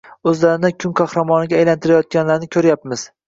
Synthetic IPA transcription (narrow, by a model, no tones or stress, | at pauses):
ɵzlaɾɪnɪkʲʰʊŋkʰɑhɾamɒnɪɡʲaːjlant̪ʰɪɾajɒt̪̚kʲanlaɾnɪkʲʰɵɾjapmɪz̥